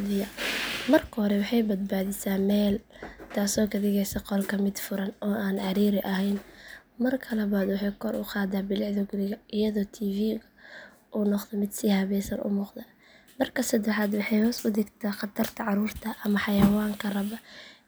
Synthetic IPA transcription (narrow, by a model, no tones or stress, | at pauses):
ðɪjɐmɐrkʰɐhɔɾɛwɑħɑjbɐd̪̚baːðɪsaːmɛːl | t̪ʰaːsɔːkʰɐd̪ɪɣɛjsɐqɔlkʰɐmɪd̪fʊɾɐnɔːʔaːnʕɑɾiːɾɪʔɐɦɛjnmɐrkʰɐlɐβaːd̪wɑħɑjkʰɔɾʊ̰qɑːd̪aːbɪlɪʕðɔɡʊlɪɣɐɪjɐðɔːt̪ʰiːviːɣɐ | ʔuːnɔqðɛmɪd̪siːhɐβɛjsɐnʔʊ̰mʊːqd̪ɐ | mɐrkʰɐsɐd̪ɛħaːd̪wɑħɑjhɔːsʊd̪ɪɡt̪ʰɐqɑt̪ʰɐrt̪ʰɐʕɑɾuːrt̪ʰɐʔɐmɐħɑjɐwaːŋkʰɐrɐβɐ